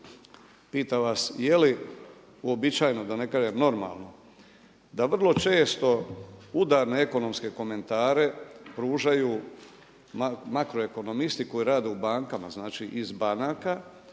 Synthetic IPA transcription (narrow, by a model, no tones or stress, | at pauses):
piːt̪aʋaːsje̞li | uo̞bit͡ʃaːjno̞d̪ane̞kaːʒemno̞ɾma̰ːlˠno̞ | d̪aʋr̩lˠo̞t͡ʃe̞ːst̪o̞ud̪aːɾne̞eko̞no̞mske̞ko̞me̞nt̪aːɾe̞pɾuːʒajuː | mmakɾoe̞ko̞no̞mist̪iko̞jiɾaːd̪eubaːŋkamaznaːt͡ʃiʔizbanaːka